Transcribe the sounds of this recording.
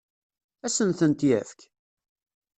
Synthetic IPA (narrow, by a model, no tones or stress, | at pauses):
æsənθənt̪jæfk